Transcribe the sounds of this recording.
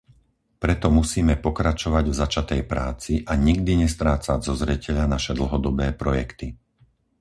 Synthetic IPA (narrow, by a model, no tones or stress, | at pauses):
pɾɛt̪ɔmusiːmɛpɔkɾat͡ʃɔʋaɟvzat͡ʃat̪ɛjpɾaːt͡siʔaɲiɡd̪iɲɛst̪ɾaːt͡sazɔzɾɛcɛʎanaʃɛd̪l̩ˠɦɔd̪ɔbɛːpɾɔjɛkt̪i